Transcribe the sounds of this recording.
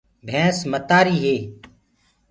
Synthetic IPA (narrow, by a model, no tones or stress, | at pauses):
bʱɛ̃ːsmət̪aːɾiːɦeː